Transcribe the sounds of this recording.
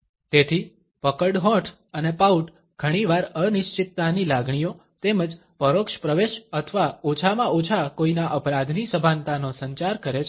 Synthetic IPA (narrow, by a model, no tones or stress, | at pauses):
t̪et̪ʰi | pəkəɽɦɔ̃ʈʰ | ənepauʈ | ɡ̥ʱəɽ̃iʋaɾənɪʃt͡ʃɪt̪ːanilaɡɳ̃ijo | t̪eməd͡ʒ | pəɾokʃpɾəʋeʃət̪ʰəʋaot͡ʃʰamãʔot͡ʃʰakoinaʔəpɾad̪ʱnisəbʱãnt̪anosə̃ɲt͡ʃaɾkəɾet͡ʃʰ